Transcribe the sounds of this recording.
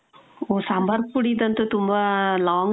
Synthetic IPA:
oːsɐmbɐɾpuɽid̪ɐnt̪ːɯt̪ʊmbaːlaːŋ

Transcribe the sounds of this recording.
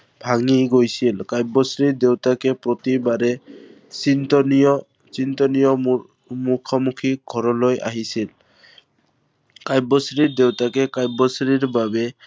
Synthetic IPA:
bʱaŋiɡojsilkajbɔsɾiɾd̪ewt̪akepɾot̪ibaɾe | int̪ɔnɔ | t͡ʃint̪ɔnijɔ | mukʰɔmukʰiɡʱɔɾɔloja̰ɦisil | kajbɔsɾiɾd̪ewt̪akekajbɔsɾiɾbabe

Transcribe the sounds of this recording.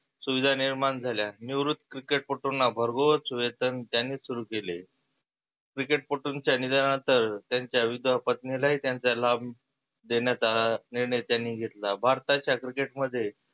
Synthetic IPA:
suʋid̪ʱaniɾmand͡zʱaljaniʋɾut̪ːkɾikeʈ̚poʈunːabʱəɾɡot͡sʋet̪ənt̪janːiːsuɾuːkele | kɾikeʈ̚poʈuɲt͡ɕjanid̪anənt̪əɾt̪jaɲt͡ɕjaʋid̪ʋapət̪nilaɦiːt̪jaɲt͡salab | d̪eɳjat͡saniɾɳəjt̪janːiːɡʱet̪labʱaɾt̪at͡ɕjakɾikeʈməd̪ʱːje

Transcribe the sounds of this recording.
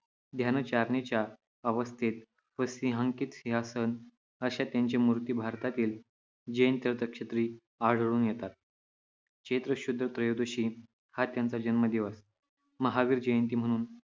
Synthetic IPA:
d̪ʱjant͡ɕaɾɳet͡ɕja | əʋəst̪ʰit̪̚ | ʋəsiɦãŋkiːt̪siɦasən | əɕat̪jaɲt͡ɕemuɾt̪iːbʱaɾt̪at̪iːl | d͡ʑəjənt̪əɾt̪əkɕət̪ɾiː | aɽ̤ɭuːnjɛt̪at̪̚ | kɕet̪ɾəɕud̪ɾət̪ɾəjod̪oɕiː | hat̪jant͡sad͡ʑənməd̪ʱjeʋəs | məɦaʋiːɾd͡ʑəjənt̪̬iːm̤əɽ̃uːn

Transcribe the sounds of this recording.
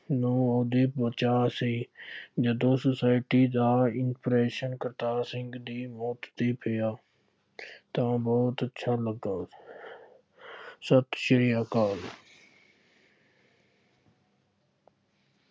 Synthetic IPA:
nuːoːd̪ipbət͡ʃaːsiːd͡ʒəd̪õːsəsaːɪʈiːd̪aːɪnpɾeːʃənkəɾt̪aːɾsɪ̃ŋɡd̪iːmɔːt̪t̪iːpʰejaː | t̪ãbɔːt̪ətːʃʰaːləɡaː | sət̪ʃəɾijaːkaːl

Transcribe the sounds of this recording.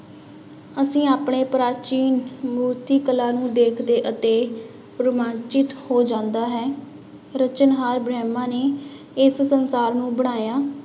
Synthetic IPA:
əsĩːaːpɳeːpɾaːt͡ʃiːnmuːt̪iːkəlaːnũːd̪eːkʰd̪eːʔət̪eː | pɾəmãːt͡ʃɪt̪hoːd͡ʒãːnd̪aːɦɛː | ɾət͡ʃənɦaːɾbɾɛːmãːneː | ɪssənsaːɾnũːbəɽ̃aːjaː

